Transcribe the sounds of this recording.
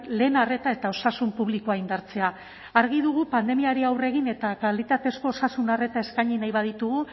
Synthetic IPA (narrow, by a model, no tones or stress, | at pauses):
le̞ːnare̞t̪ae̞t̪ao̞sasumpuβlikoaind̪aɾt͡se̞a | aɾɣ̞iðuɣupand̪e̞miaɾiawre̞ɣine̞t̪akalit̪at̪e̞sko̞ːsasunare̞t̪ae̞skaɲinajβað̞it̪uɣ̞u